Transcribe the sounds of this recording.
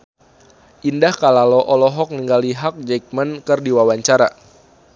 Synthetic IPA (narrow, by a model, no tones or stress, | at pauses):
ʔindahkalalɔʔɔlɔɦɔk̚ŋiŋɡaliɦak̚d͡ʒɛk̚mənkɨrdiwawaɲt͡ʃaɾa̰